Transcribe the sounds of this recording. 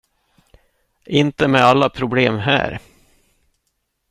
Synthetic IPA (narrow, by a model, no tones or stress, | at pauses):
ʔɪnt̪əmɛalːapʰɾʊbleːmɦæ̰ːɾ